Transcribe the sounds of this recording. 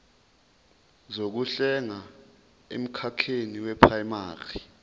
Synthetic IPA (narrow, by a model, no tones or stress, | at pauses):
zok̬uɬɛŋa | ḛm̩kʰakʰeniwɛpʰraimaːri